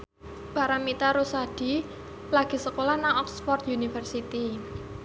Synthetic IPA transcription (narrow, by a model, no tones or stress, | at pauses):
b̥aɾaŋmit̪aɾusad̥i̤ | laɡ̥i̤səkolanaŋɔkspɔrt̪junifərsit̪i